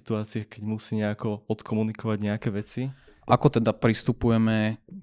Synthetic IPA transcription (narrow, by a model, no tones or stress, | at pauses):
t̪uaːt͡siɛkɛɟmusiːɲɛakɔɔt̪kʰɔmunikɔʋaɟɲɛakɛʋɛt͡si | ʔakɔt̪ɛd̪apɾist̪upujɛmɛ